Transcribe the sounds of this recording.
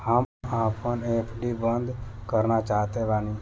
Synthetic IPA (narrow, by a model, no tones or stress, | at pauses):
həm | aːpənepʰɖibənd̪kəɾnat͡ʃaːt̪eʋaːnĩ